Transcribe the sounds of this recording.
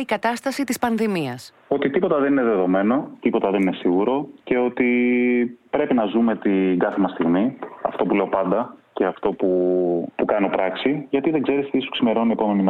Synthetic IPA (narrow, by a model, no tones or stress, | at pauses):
ikɐt̪ɐst̪ɐsit̪ispɐnðimiɐs | ot̪it̪ipo̞t̪ɐðe̞nine̞ðe̞ðo̞me̞no̞t̪ipo̞t̪ɐðe̞nine̞siɣuɾo̞ce̞o̞t̪i | pɾe̞pinɐzume̞t̪iŋɡɐθemɐst̪iɣmiɐ̰ft̪o̞pule̞o̞pɐnd̪ɐce̞ɐft̪o̞pupukɐno̞pɾɐksiʝɐt̪iðe̞ŋɡze̞ɾist̪isu̥ksime̞ɾo̞nie̞po̞me̞nim